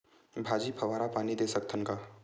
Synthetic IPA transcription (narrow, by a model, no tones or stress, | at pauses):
bʱaːd͡ʒipʰɐʋaːɾapaːnid̪eːsək̚t̪ʰənkaː